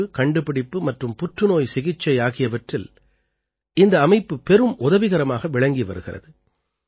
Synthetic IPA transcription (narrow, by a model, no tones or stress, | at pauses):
ɯkɐɳɖɯpɪɽɪpːɯmɐʈrɯmpʊʈrɯnoːjsɪɣɪt͡ʃːɐɪaːɣɪjɐʋɐʈrɪl | ɪnd̪ɐːmɐɪpːɯpɛɾɯmʔʊðɐʋɪɣɐɾɐmaːɣɐʋɪɭɐŋɡiʋɐ̰ɾɯɣɪrɐ̰ðɯ